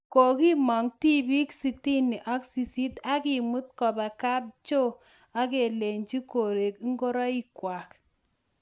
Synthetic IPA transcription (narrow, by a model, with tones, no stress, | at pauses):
ko˨ki˦mɔ˨ŋti˦bi˦ksi˨ti˦ni˨ʔa˦ksi˨si˦ta˦ki˨mu˦t̚kɔ˨ba˨ka˦p̚t͡ʃo˦ | a˦ke˨le˨ɲd͡ʒi˦ko˨ɾe˨ki˦ŋɡo˦ɾɔ˦i˦kwa˨k